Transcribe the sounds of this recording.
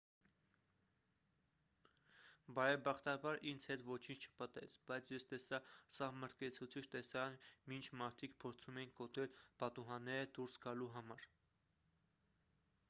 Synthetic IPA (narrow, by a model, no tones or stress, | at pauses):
bɑɾɛbɑχt̪ɑbɑɾind͡zʰhɛt̪vɔt͡ʃʰint͡ʃʰt͡ʃʰə̥pət̪ɛ̰t͡sʰbɑjt͡sʰjɛst̪ɛsɑsɑhməɾt̪̚ʰkɛt͡sʰut͡sʰit͡ʃʰt̪ɛsɑɾɑnmint͡ʃʰmɑɾt̪ʰikpʰɔɾt͡sʰumɛjiŋkɡɔt̪ɛlpɑt̪uɦɑnːɛɾəd̪uɾsɡɑluɦɑmɑɾ